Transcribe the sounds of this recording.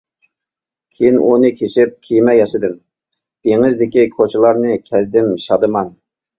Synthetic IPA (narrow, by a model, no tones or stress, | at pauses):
kʲʰejinʔṵnɨkʲʰeʃɪp̚kʲʰijmɛjɑʃɨd̪ɨm | d̪̥eŋɪzd̪ɪkʲikʰot͡ʃʰɪlˠɑɾnɨkʲʰɛzd̪ɪmʃɑd̪ɨmɑn